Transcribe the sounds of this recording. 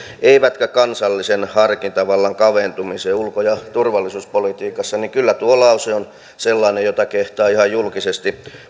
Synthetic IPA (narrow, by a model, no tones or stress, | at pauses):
eiʋæt̪kækɑnsɑlːisenhɑrkint̪ɑʋɑlːɑŋkɑʋent̪umiseːulkojɑt̪urʋɑlːˑisuːspolit̪iːkɑsːɑnikylːæt̪uolɑusion | selːɑːnejot̪ɑkeht̪ɑːihɑjjulkisest̪i